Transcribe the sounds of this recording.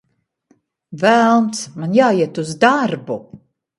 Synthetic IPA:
vælˠmt̪smanjaːiɛt̪uzd̪aɾbu

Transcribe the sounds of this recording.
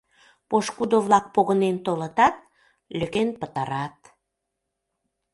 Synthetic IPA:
poʃkud̪oβlɑk̚poɣənent̪olət̪ɑt̪̚ | løkenpət̪ɑɾɑt̪̚

